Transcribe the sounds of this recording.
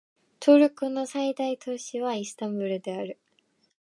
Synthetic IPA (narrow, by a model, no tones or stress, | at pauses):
t̪ʰoɾɯ̟kɯ̟no̞said̪ait̪o̞ɕiβaisɨ̥t̪ãmbɯ̟ɾɯ̟d̪e̞aɾɯ̟